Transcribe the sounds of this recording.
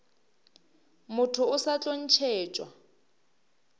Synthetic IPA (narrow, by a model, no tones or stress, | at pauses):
mʊtʰʊʊsat͡ɬʼon̩t͡ʃʰeːt͡ʃʼwa